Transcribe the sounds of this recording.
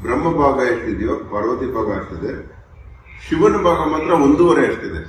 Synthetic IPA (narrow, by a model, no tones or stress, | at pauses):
bɾɐmːɐbʱaːɡɐeʂt̪id̪ijɐpɐɽɐʋɐt̪ibʱaːɡɐːɐɾt̪id̪e | ʃiʋɐnɐbʱaːɡɐmaːt̪ɾɐond̪uʋɐɾeɐɾt̪id̪e